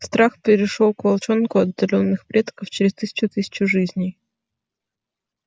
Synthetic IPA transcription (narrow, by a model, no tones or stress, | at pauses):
st̪ɾaxpʲɪɾʲɪʂolˠkvɐlˠt͡ɕonkʊɐd̪ːɐlʲo̞nːɨxpɾʲet̪kəft͡ɕɪɾʲɪst̪ɨsʲɪ̥t͡ɕʊt̪ɨsʲɪ̥t͡ɕʊʐɨzʲnʲɪj